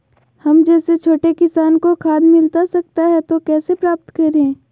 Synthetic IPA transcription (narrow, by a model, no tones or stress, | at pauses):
hɐmd͡ʒɛːset͡ʃʰoːʈekɪsaːnkokʰaːd̪mɪlt̪asɐk̚t̪aɦɛt̪okɛːsepɾaːp̚t̪kɐɾẽː